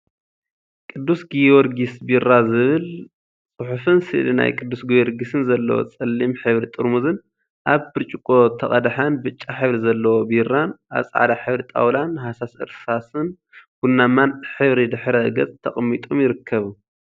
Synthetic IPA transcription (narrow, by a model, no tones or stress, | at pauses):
kʼɨd̪ːusɡijwɔɾɡisbirːazɨβɨl | t͡sʼɨħufɨnsɨʔlina̰jkʼɨd̪ːusɡijɔɾɡisɨnzɐlːɐ̰wo̰t͡sʼɨlːimħɨβɾit̪ʼɨɾmuzɨn | ʔaβbɨɾt͡ʃʼikʼo̞t̪ʰɐχʼɐd̪aħanbɨt͡ʃʼːaħɨβɾizɐlːɐwobirːanʔa̰t͡sʼʕa̰d̪aħɨβɾit̪ʼa̰wlanhasasɨ̰ɾsasɨn | ɡ̥unːamanħɨβɾid̪ɨħɾɐɡɐt͡sʼt̪ʰɐχʼmːit̪ʼomjɪɾɨkʰːɐβu